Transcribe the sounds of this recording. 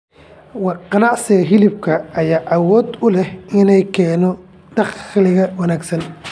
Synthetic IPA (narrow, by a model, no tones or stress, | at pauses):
wɑqɑnɑʕsɪɣɐɦɪlɪb̚kʰɐɐjaːʔɑwɔːd̪ʊlɛhɪnɛjkʰɛːnɔ | d̪̥ɑχlɪɣɐwɑnaːɡsɐn